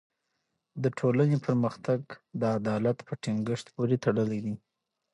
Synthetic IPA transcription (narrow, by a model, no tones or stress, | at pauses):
d̪əʈʰolanepʰəɾməxt̪aɡd̪əad̪ɑlat̪pəʈiŋɡəʂt̪poɾet̪aɽəled̪i